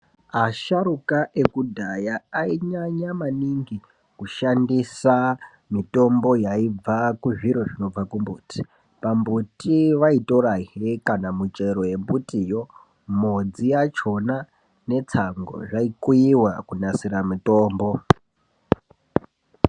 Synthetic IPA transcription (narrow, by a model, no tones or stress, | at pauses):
aʃaɾukaʔekudʱajaaiɲaɲamaniŋɡi | kuʃandisa | mito̞mbo̞jaib͡vakuʐiɾo̞ʐino̞b͡vakumbuːti̥ | pambutiʋaito̞ɾaɦekanamut͡ʃe̞ɾo̞je̞mbutijo̞ | mod͡zijat͡ʃo̞na | ne̞t͡saŋɡo̞̰ʐaikujiwakunasiɾamito̞ːmbo̞